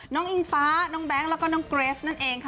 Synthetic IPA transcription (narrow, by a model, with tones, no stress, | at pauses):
nɔː˦˥ŋʔi˧nfaː˦˥nɔː˦˥ŋbɛː˦˥ŋlɛ˦˥kɔː˥˩nɔː˨˦˥ŋkɾeː˦˥s̚na˥˩nʔeː˧ŋkʰa˦˥˩